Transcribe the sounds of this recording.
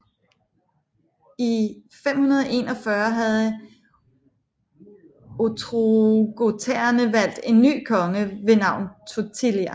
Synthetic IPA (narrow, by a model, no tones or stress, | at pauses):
ifem̰hunɐð̞ˠɒe̝̰nɒ̽fɶɐɦæð̞̩ˠ | ot͡sʰʁoɡ̥o̝t͡sʰeɐnəʋæl̰d̥e̝nːy̰ːkʰɒ̽ŋəʋe̝nɑ̈ʊ̰nt͡sʰot͡sʰiliæ